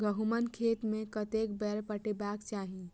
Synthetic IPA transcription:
ɡəɦumənkʰet̪mekət̪ekbɛɾpəʈebakt͡ʃaːɦi

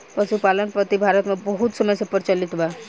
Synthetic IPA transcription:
pəʃupaːlənpɾət̪ibʱaːɾət̪mẽbɐɦut̪səməjsepəɾt͡ʃəlɪt̪ʰba

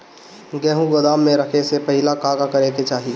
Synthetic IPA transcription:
ɡɛːɦũɡɐd̪aːmːẽɾɐkʰesepɐɦɪlakaːɡakɐɾeket͡ʃaːɦi

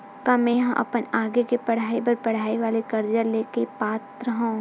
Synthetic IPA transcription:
kamɛ̃jɐɦãʔɐ̰pənaːɡekepɐɽ̤aːibɐɾpɐɽ̤aːiʋaːlekɐɾd͡ʒəɾleːkepaːt̪ɾəɦõ

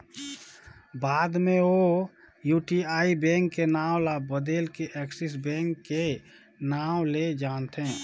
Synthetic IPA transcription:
baːd̪mẽo | juːʈiaːibɛ̃ŋkːenaːwlabəd̪eːlkeʔɛksis̬bɛ̃ːŋkːe | naːʊled͡ʒaːnt̪e

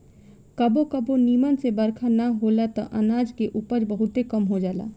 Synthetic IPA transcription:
kəbokəboniːmənsebəɾkʰanaɦolat̪ɔ̰̃ʔənaːd͡ʒkeʔuːpəɾbəɦʊt̪ekəmɦod͡ʒaːla̰ː

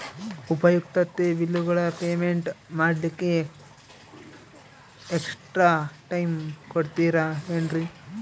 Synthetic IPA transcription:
upɐjukt̪ɐt̪ːeʋilːuɡɐɭɐpeːmeɳʈmaːɽlikːe | eksʈɾaːʈɐjmkoɽt̪iːɾɐɦeɳɾi

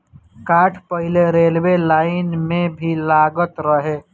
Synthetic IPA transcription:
kaːʈʰpəɦɪleɾeːlwelaːɪnmẽbʱilaːɡət̪ɾəɦeː

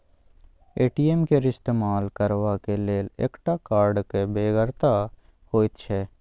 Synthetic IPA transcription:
eːʈiːemkeɾɪst̪eːmaːlkəɾwakeleːlḛːkʈakaːɾɖkebeːɡəɾt̪a | hoːit̪t͡ʃʰɛː

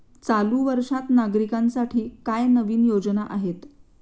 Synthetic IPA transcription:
t͡saluːʋəɾʂat̪naɡɾikansaʈʰiːkajnəʋiːnjod͡znaʔaɦet̪

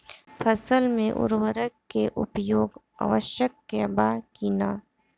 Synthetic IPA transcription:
pʰəsəlmẽʔʊ̰ɾwəɾəkːeʔʊpjoːɡ | a̰ʋəʃjəkːebaːkiːnaː

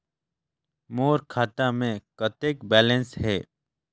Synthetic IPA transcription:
moːɾkʰaːt̪amẽkət̪eːkbɛːlə̃nsɦɛː

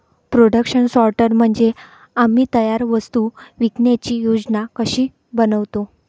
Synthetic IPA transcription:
pɾoɽəkɕənsɔɾʈəɾm̤əɳd͡ze | amiːt̪əjaɾʋəst̪uʋiknjat͡ɕiːjod͡znakəɕiː | bənəʋt̪o

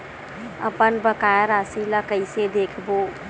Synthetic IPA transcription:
ə̰pənbəkajɾasilakəɪsed̪ekʰbo

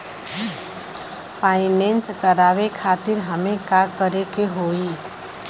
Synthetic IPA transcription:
paɪnent͡ʃkəɾaβekʰat̪iɾɦəmekakəɾekeɦoi

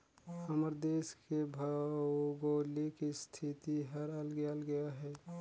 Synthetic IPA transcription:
əməɾd̪eːskebʱəɡolikist̪ʰit̪iɦəɾəlɡejəlɡəjaɦɛː

